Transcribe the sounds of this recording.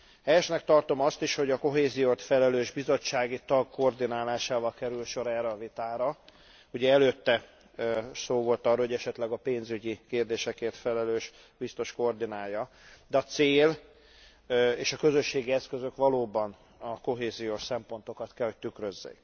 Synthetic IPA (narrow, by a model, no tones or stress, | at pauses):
hɛjɛʃnɛkt̪ɒrt̪o̞mɒst̪iʃho̞ɟɒko̞ɦeːzijoːt̪fɛlɛløːʒbizo̞t͡ʃːaːɡit̪ɒɡ̚kord̪inaːlaːʃaːvɒlkɛɾylʃo̞ɾɛːrɛɒvit̪aːɾɒ | uɟɛɛløːt̪ːɛ | soːvo̞lt̪ɒrːɔːhoɟɛʃɛt̪lɛɡɒpeːnzyɟikeːrd̪eːʃɛkeːrt̪fɛlɛløːʃ | bist̪o̞ʃkord̪inaːjːɒ | d̪ɛɒt̪seːl | eːʃɒkø̞zø̞ʃːeːɡiɛskøzø̞kʋɒloːbɒn | ɒko̞ɦeːzijoʃsɛmpo̞n̪t̪o̞kɒt̪kɛlho̞c̚t̪ykɾøzːḛːk